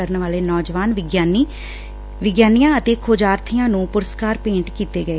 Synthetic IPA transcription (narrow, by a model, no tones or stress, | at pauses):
əɾənʋaːleːnɔːd͡ʒʋaːnʋɪɡjaːni | ʋɪɡjaːnijãːət̪eːkʰoːd͡ʒaːɾt̪ʰɪjãːnũːpʊɾəskaːɾpẽːɳʈkiːt̪eːɡəeː